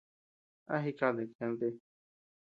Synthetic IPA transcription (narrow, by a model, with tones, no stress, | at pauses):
a̰˦ɦi˦ka˧d̪e˨kɛ̃˧n˦t̪e˦